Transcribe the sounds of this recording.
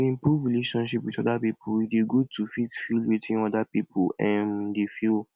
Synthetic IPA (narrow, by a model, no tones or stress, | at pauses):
ĩpɹuvɹileʃɔ̃nʃipwitɔdapipʰuideɡud̚tufitfilwitʰĩnɔdapipʰuɛ̃ndefil